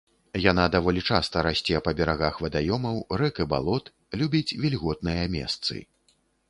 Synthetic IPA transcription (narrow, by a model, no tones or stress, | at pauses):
janad̪avɔlʲit͡ʂast̪ɐɾasʲt͡sʲɛpɐbʲɛɾaɣaxvɐd̪ajɔmɐwrɛkɨba̰lˠɔt̪ | lʲubʲit͡sʲvʲilʲɣɔt̪nɨjɐmʲɛ̰st̪sɨ̰